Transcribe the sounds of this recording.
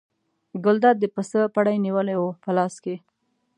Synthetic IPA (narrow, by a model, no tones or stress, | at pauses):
ɡʊld̪ɑd̪̚ːəpəsəpaɽajniwəlajwopəlɑske